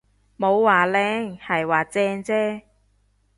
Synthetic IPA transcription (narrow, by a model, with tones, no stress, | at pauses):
mo˨˧wwaː˨˩lɛː˧˥ŋhɐ˨jwaː˨˩t͡sɛː˧ŋt͡sɛː˥